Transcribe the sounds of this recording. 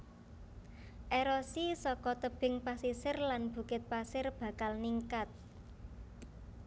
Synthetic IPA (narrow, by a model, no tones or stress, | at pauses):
ʔeɾɔsisɔkɔt̪əb̥ɪ̤ŋpasisɪrlanb̥ṳkɪt̪̚pasɪrb̥ä̤kalniŋkat̪̚